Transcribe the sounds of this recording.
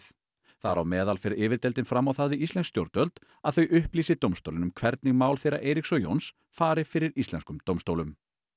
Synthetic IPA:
θaɾa̰wmɛːðalfɪɾɪɾɪːvɪɾt̪ɛlt̪ɪnfɾamːawθaðvɪist̪lɛnst̪jowɾt̪œlt̪ | aðθœɥʔʏhpliːsɪt̪owmst̪owlɪnʏmkʰvɛɾt̪nɪɣmaːwlθejɾa̰ʔejɾiksɔjo̰wns | faːɾɪfɪɾɪɾist̪lɛnskʏmt̪owmst̪owlʏm

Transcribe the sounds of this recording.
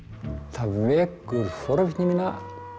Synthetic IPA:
θavɛːkːʏɾfɔɾvɲimina

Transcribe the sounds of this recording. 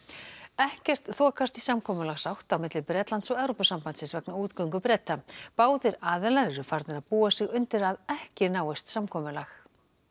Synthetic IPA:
ɛhcɛr̥t̪θɔːkast̪isamkʰɔːmʏlaɣsawht̪awmɪt̪lɪpɾɛt̪lant̪sɔɣɛvɾɔpʏsampant̪sɪnsvɛknauːt̪kœɥŋk̬ʏpɾɛt̪ːapaːwðɪɾaːðɛlaɾɾʏfaɾt̪nɪɾaðpuːasɪɣʏnt̪ɪɾaðɛhcɪnaːwɪst̪samkʰɔːmʏlax

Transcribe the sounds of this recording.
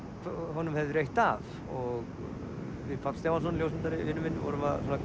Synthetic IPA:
ɦɔnːʏmhɛvðʏɾejht̪af | ɔɣ | fɪfʰat̪st̪jamans̬ɔnljowsɪnt̪aɾɪvɪnʏmɪnːvɔ̰ɾvasɔna

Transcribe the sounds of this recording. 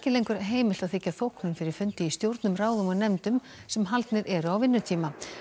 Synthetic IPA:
ɛcɪlejŋkʏɾɦeːjmɪl̥t̪aðθɪcːaθowhknʏmfɪɾɪɾ̥fʏnt̪ɪist̪jowɾt̪nʏmraːwðʏmɔnɛmt̪ʏm | sɛmɦalt̪nɪɾʔɛɾʏawvɪnːʏt̪ʰiːma

